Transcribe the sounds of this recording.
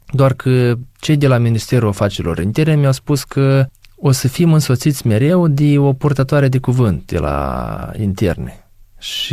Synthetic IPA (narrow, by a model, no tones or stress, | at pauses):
d̪oarkʰət͡ʃe̞jd̪e̞laminist̪e̞ɾuafat͡ʃeɾilo̞̰ɾint̪e̞rnemjawspuskʰəo̞səfimɨnso̞t̪sit̪sʲme̞ɾe̞wd̪eo̞purt̪at̪oaɾe̞d̪e̞kuvɨnt̪̚d̪e̞̰la̰ḭnt̪e̞̰rne | ʃi